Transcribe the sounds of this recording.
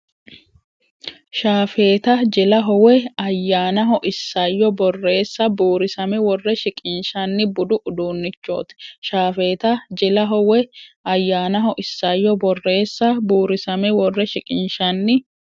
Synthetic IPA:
ʃaːfe̞ːt̪ɐd͡ʒɪlɐɦɔwɛɐjːaːnɐɦɔʔɪsːɐjːɔbɔrːe̞ːsːɐbuːɾɪsɐmɛwɔrːɛʃɪkʼɪnʃɐnːɪbʊd̪ʊʔʊd̪uːnːɪt͡ʃːo̞̰ːt̪ʃaːfeːt̪ɐd͡ʒɪlɐɦɔwɛʔɐjːaːnɐɦɔʔɪsːɐjːɔbɔrːe̞ːsːɐbuːɾɪsɐmɛwɔrːɛʃɪkʼɪnʃɐnːɪ

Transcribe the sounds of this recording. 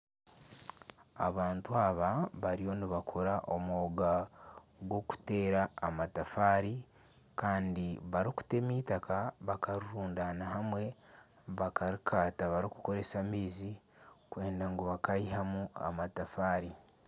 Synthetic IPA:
a̰βaːntuaβaβaɾio̞niβakʰoɾaʔomːɡa | ɡwo̞ku̥te̞ːɾaːmatafaːɾi | kaːndiβaɾiku̥te̞mitakaβakaɾuɾuːndanahamwe̞ | βakaɾikʰaːtaβaɾiku̥ko̞ɾe̞samiːzi | kwe̞ːndaŋɡuβakaiɦamua̰matafaːɾi

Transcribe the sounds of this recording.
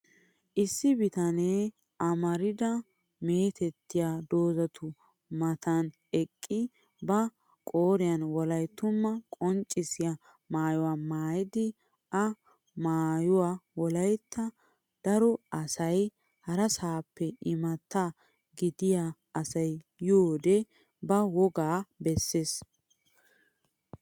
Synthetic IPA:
ʔɪsːɪbɪt̪ɐneː | ʔɐmɐɾɪd̪ɐ | meːt̪ɛt̪ːɪjaːd̪o̞ːzɐt̪ʊ | mɐt̪ʰɐn | ɛkʼːɪ | bɐ | kʼoːɾɪjɐnwɔlɐjt̪ːʊmːɐkʼɔnt͡ʃʼːɪsɪja | maːjɔwaːmaːjɪd̪ɪ | ʔɐ | maːjɔwaːwɔlɐjt̪ːɐ | d̪̥ɐɾɔʔɐsɐj | hɐɾɐsaːpːɛɪmɐt̪ːa | ɡɪd̪ɪjaː | sɐj | joːd̪ɛ | bɐwɔɡaːbɛsːeːs

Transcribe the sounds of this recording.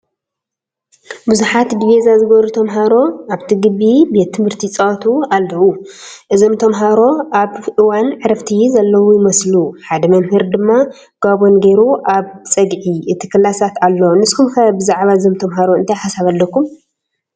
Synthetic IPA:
buzuħat̪d̪ivezazɨɡɐβɾut̪ʰɐmɦaɾo̞aβt̪ʰiɡɨβibe̞t̪ʰːɨmɨɾt̪ʰit͡sʼɐwt̪ʰualːɐʔuʔɨzomt̪ʰɐmɦaɾo̞ʔaβʔɨwanʕɨɾɐft̪ʰizɐlːɐwujɪmɐsluħad̪ɐmɐnhɨɾd̪ɨmːa | ɡ̥abo̞nɡɐjɾuʔaβt͡sʼɐɡʕiʔɨt̪ʰi̥kʰɐlasat̪alːonɨskumkʰɐbɨzaʕβaɨzomt̪ʰɐmɦaɾo̞ɨnt̪ʰajħasaβalːɐkːum

